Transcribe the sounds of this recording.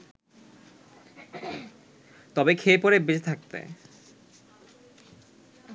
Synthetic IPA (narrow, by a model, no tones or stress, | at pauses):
t̪ɔbekʰepɔɾebed͡ʑet̪ʰak̚t̪ḛ